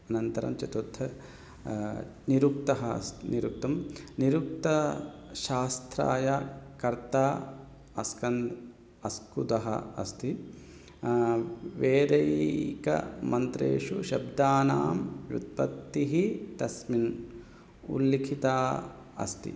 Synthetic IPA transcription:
ɐnɐnt̪ɐɾɐ̰mt͡ʃɐt̪ut̪ʰːɐ | niɾuk̚t̪ɐɦɐ̰st̪iniɾuk̚t̪ɐmniɾuk̚t̪ɐʃaːst̪ʰɾa̰ːjɐkɐɾt̪aː | ɐskɐnd̪ | ɐskud̪ɐɦɐ̰ɐst̪i | ʋeːd̪ɐjkɐ̰mɐnt̪ɾḛːʂuʃɐbd̪aːna̰ːmjut̪̚pɐt̪ːiɦit̪ɐsmin | ṵlːikʰit̪aː | ɐ̰st̪ḭ

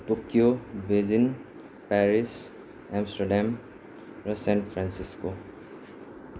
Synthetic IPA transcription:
tokiobezin | paɹis | amstɔdam | ɹusɛnpʰɹansisko

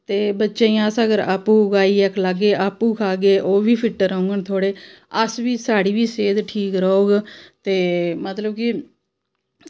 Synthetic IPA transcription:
t̪eːbətːʃẽːasəɡəɾa̰ːpũːɡaːiːɛkʰləɡeːʔaːpuːkʰaːɡeːʔoːʋiːpʰɪʈːəɾə̃ːŋɡəɳt̪ʰoːɽeː | əsʋiːsaːɽiːʋiːseːd̪ʈʰiːkɾəoːɡt̪eːmət̪ləbki

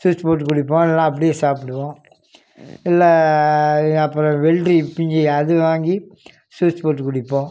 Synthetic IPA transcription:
suːt͡ʃpoːʈ̬ːɯkʊɽɪpːõːllːãːɐp̬ːɐɽɪjeːsaːpɪɽɯʋõː | ɪlːɛ | ɐpːɯɾɔ̃ʋɛɭʈɾipɪɲd͡ʒiɐðɯʋaːŋɡi | suːspoːʈ̬ːɯkʊɽɪpːõː

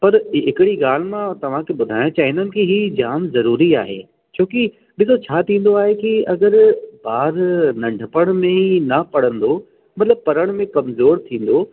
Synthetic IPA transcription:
pɐɾɪkɪɽiɡaːl̤ɪmãt̪ɐʋ̤ãkʰebʊd̪ʱaːj̃õt͡ɕaːɦĩnd̪ənɪ̆kiɦid͡ʑaːnzɐɾuːɾia̰ːɦḛː | t͡ɕʰõːki | ɓɪsot͡ɕʰaːt̪ʰĩːn̆d̪oaːɦekiɐɡəɾbaːɾnɐ̃ɳɖʱəpəɽ̃mẽinɐpɐɽə̃nd̪o | mɐt̪ləb̚pɐɾəɽ̃mẽkɐmzoːɾt̪ʰĩːn̆d̪o

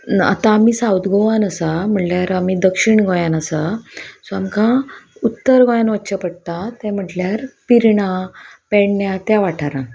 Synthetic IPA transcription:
a̰t̪ãːmiːsawt̪ɡʱoʋanəsam̤əʈljaɾamid̪əkʂiɳɡojãnəsasɔamkãut̪ːəɾɡojanʋəɕəpəɽt̪at̪ɛ̃m̤əʈljaɾpiɾɳapɛɳnjat̪jaʋaʈʰaɾã

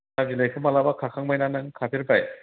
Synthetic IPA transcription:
abilajkʰɯmalabakʰakʰaŋmajnanɯŋkʰapʰiɾpaj

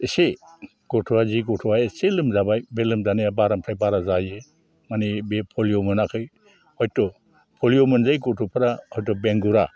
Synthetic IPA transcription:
ese | ɡ̥ɔtʰuaziɡɔtʰɔajeselɯmzabajbelɯmdanijabaɾampʰajbaɾazaje | manibepʰɔljomɯnakʰɯj | hɔjtɔ | pʰɔljomɯnzajɡɔtʰupʰɯɾahɔjtɔbeŋɡuɾa

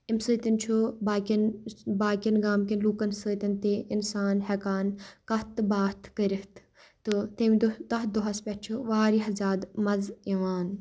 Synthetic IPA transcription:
imsɨːt̪int͡ʃʰubaːkʲinbaːkʲinɡaːmkinluːkɐnsəːt̪int̪eʔinsaːnhɛkaːnkɐt̪ɨbaːt̪ʰkəɾiht̪ | t̪ɨt̪emd̪t̪ɐɦ̪d̪uɦɐspʲɛt̪̚t͡ʃʰuʋaːɾiɦɐzaːd̪mɐziʋaːn

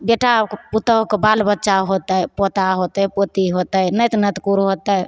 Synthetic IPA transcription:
beʈakput̪əɦokebalbətːʃaɦot̪əjpot̪aɦot̪əjpot̪iɦot̪əjnəjt̪nət̪kuɾɦot̪əj

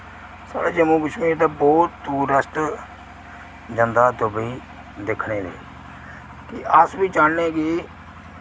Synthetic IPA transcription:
sa̰ːɽeːd͡ʒəmuːɡəʃmiːɾt̪ãːbɔːt̪ːuːɾəst̪ | d͡ʒənd̪aːd̪ʊbiː | d̪ɪkʰneːd̪ḛː | kɪʔəsbiːt͡ʃaːneːɡiː

